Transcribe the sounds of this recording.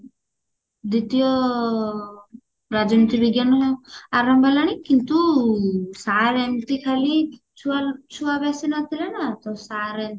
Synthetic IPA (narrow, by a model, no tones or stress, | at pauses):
d̪it̪ijɔ | ɾad͡ʒɔnit̪ibiɡjanɔaɾɔmbʱalaɽ̃ikːint̪u | saɾɛmʈikʰali | t͡ʃʰuat͡ʃʰuabɛsinat̪ʰilenat̪ɔsaɾe